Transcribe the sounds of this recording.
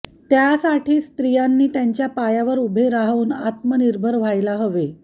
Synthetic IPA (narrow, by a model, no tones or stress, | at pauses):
t̪jasaʈʰiːst̪ɾijanːiːt̪jaɲt͡ɕjapajaʋəɾubʱeɾaɦauːna̰t̪məniɾbʱəɾʋ̤ajlaɦəʋe